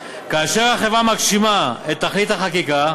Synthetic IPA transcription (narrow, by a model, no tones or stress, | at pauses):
kaːʃeʁhaχevamakʃimaet̪ːaχlit̪haχakika